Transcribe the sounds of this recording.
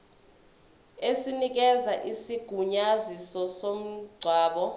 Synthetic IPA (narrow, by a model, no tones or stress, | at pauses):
esinik̬ɛzaʔisiɡ̥ʱuɲazisɔsom̩ɡ͡ǀʱwaːɓɔ